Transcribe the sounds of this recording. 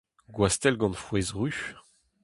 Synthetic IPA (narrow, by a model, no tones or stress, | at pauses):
ɡwast̪ɛlɡɑ̃nfwɛzʁyʃ